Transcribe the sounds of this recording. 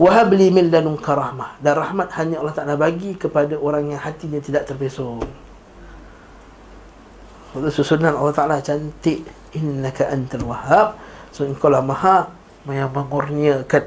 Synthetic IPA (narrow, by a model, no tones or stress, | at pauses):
waɦablimɪnːanuŋkaɾɑhmahdanrɑhmat̪̚haɲãalːɑht̪aʔalabaɡikəpadaʔoɾaŋjaŋhat̪iɲãt̪idaʔt̪ərbesɔŋ | susunanɑlːɑht̪aʔalat͡ʃant̪ɪʔ | ɪnːakaʔant̪alwahap̚soəŋkalahmaɦaʔ | majaməŋurniakan